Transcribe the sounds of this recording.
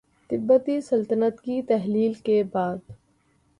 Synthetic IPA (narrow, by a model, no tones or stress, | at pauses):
t̪ɪbːət̪isɐlt̪ənət̪kit̪ɛɦliːlkebaːd̪